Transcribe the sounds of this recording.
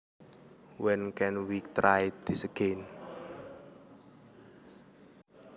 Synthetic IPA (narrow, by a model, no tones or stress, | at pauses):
wɛnkɛnwik̚t̪ɾajd̪̥isəɡ̥en